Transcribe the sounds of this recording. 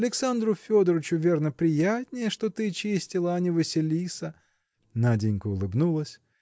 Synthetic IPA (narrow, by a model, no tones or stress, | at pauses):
ɐlʲɪksand̪ɾʊfʲo̞d̪əɾət͡ɕʊvʲe̞rnəpɾʲɪjatʲnʲɪjəʂt̪o̞t̪ɨt͡ɕisʲtʲɪlˠəɐnʲɪvɨsʲɪlʲisə | nadʲɪnʲkʊʊlˠɨbnulˠəsʲ